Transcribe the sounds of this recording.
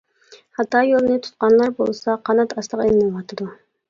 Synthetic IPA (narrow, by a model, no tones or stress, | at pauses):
hɑt̪ːɑːjolˠɨnɨt̪ʰu̥t̪̚qɑnlˠɑɾbo̰lˠsɑqʰɑnɑt̪ʰɑslˠəqelmɑwɑt̪ʰɨd̪u